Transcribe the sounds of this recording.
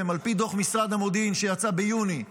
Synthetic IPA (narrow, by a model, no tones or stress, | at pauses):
emalpid̪o̞χmisʁad̪hamod̪inʃe̞jat͡sabejuni